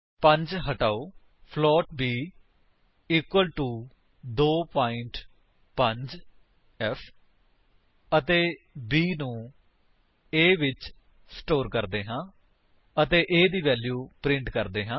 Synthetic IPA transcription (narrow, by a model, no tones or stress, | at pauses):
pə̃ɲd͡ʒɦəʈaːoː | pʰlɔːʈ̚biː | iːkwəlʈuː | d̪oːpaːɪ̃ɳʈ | pəɲd͡ʒ | ɛpʰ | ət̪eː | biːnũː | eːʋɪt͡ʃ | sʈoːɾkəɾd̪eːɦãː | ət̪eːʔeːd̪iːʋɛːljuːpɾɪ̃ɳʈkəɾd̪eːɦãː